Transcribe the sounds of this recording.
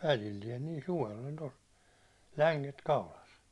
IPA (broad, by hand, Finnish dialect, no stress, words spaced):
ʋælilːiɛn niː suʋel ol tos læŋket kɑulɑs